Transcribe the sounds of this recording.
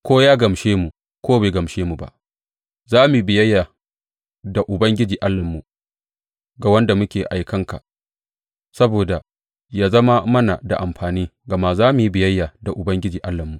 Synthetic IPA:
kʷoː˦jaː˦ɡɐ˨mʃeː˦mu˨ | kʷoː˦be˨ɡɐ˨mʃeː˦mu˨ba̰˦ | zaː˦mu˨˦bɪ˨jɐ˦jːa˨ | da˨ʔʊ˨bɐ˦ŋɡʲɪ˦d͡ʒiː˨ʔa˦lːɐ˨mːu˨ | ɡa˨wɐ˦nda˨mʊ˦kʲeː˨ʔa˨jkɐ˦ŋka̰˨ | sɐ˦boː˨da˨ | jaː˦zɐ˦ma˦mɐ˦na˨da̰˨ʔa˨mɸaː˨niː˦ɡɐ˨ma˦zaː˦mu˨ji˦bɪ˨jɐ˦jːa˨da˨ʔʊ˨bɐ˦ŋɡʲɪ˦d͡ʒiː˨ʔa˦lːɐ˨mːu˨ʔ

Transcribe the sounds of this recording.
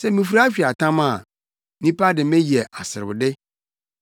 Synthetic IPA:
sɛ˦mĩ˨fu˦ɾa˦ɕᶣi˨a˨tʰã˦mã˨ | nĩ˦pʰa˦dɪ˨mɛ̃˦ji˨ɛ˨ʔa˨sɪ˨ɾɪ˨bʊ˨dɪ˦

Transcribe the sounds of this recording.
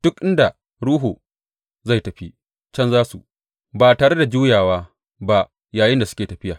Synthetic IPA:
d̥ʊ˦k̚ʔɪ˦nda˨ | ɽuː˦ɦuː˨ | za˦˨jtɐ˨ɸi˦ | t͡ʃɐ˦nzaː˦sṵ˨ | baː˨taː˨ɽe˦da˨d͡ʒuː˦jaː˨waː˦ | ba˦ | jaː˨jɪ˦nda˨sʊ̥˦kʲeː˨tɐ˨ɸɪ˦jaː˨

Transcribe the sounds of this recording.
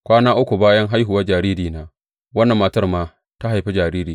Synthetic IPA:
kʷaː˦naː˦ʔʊ˦kʷu˨baː˦jɐ˦ŋɦa˦jɦʊ˨waː˦d͡ʒaː˨ɾiː˦ɾiː˨naː˦ | wɐ˦nːɐ˨mːaː˨˦tɐ˦rmaː˦ | ta˦ɦa˨jɸe˦d͡ʒaː˨ɾiː˦ɾiː˨

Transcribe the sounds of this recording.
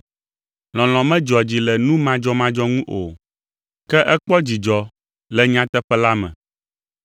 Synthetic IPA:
lɔ̃˨l̃ɔ̃˨mɛ̃˦d͡ʒɔ˨d͡ʑi˨lɛ˨nũ˦mã˦d͡ʒɔ˦mã˦d͡ʒɔ˦ŋũ˦ʔo˨ | kɛ˦ʔɛ˦k͡pɔ˦d͡ʑi˨d͡ʒɔ˨ | lɛ˨ɲã˦t̪ɛ˦ɸɛ˦la˦mɛ̰̃˨

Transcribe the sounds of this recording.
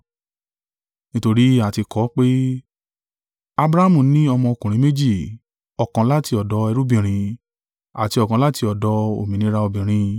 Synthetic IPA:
nĩ˦to˧ɾi˦a˨ti˧kɔ˨˦k͡pe˦ | a˧bɾa˦a˦mũ˦˨nĩ˦ɔ˧mɔ̃˧o˧kũ˨ɾ̃ĩ˨˦me˦d͡ʒi˦˨ | ɔ˨kã˧˦la˦ti˧ɔ˨dɔ˨˦ɛ˧ɾu˦bĩ˨ɾ̃ĩ˧ | a̰˨ti˧ɔ˨kã˧˦la˦ti˧ɔ˨dɔ˨˦o̰˨mĩ˨nĩ˧˦ɾa˧o˧bĩ˨ɾ̃ĩ˧

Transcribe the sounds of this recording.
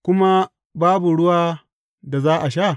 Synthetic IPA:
kʷʊ˦ma˦ | baː˦bu˨ɽʊ˦waː˦ | da˨zaː˦ʔa˨ʃa˦˨

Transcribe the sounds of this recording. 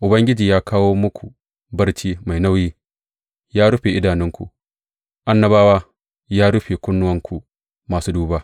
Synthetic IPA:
ʔʊ˨bɐ˦ŋɡʲɪ˦d͡ʒiː˨jaː˦kʰaː˦woː˦mʊ˦kʷʰu˨ | bɐ˦ɾt͡ʃiː˦ma˨jna˦wjiː˦ | jaː˦ɽʊ˦ɸeː˨ʔɪ˦daː˨nɪ˦ŋkʷṵ˨ | ʔa˦nːɐ˦baː˦waː˦ | jaː˦ɽʊ˦ɸeː˨kʷʊ˦nːʊ˦wɐ˦ŋkʷu˨ | maː˨suː˦duː˦baː˦

